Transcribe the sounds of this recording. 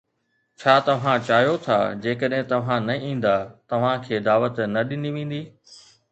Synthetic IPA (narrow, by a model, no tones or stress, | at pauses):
t͡ɕʰaːt̪ɐʋ̤ãt͡ɕaːɦjot̪ʰa̰ːd͡ʑeːkəɗɦɪ̃t̪ɐʋ̤ãnɐĩːn̆d̪at̪ɐʋ̤ãkʰeːd̪aːʋət̪nɐɗɪniʋẽːn̆d̪iː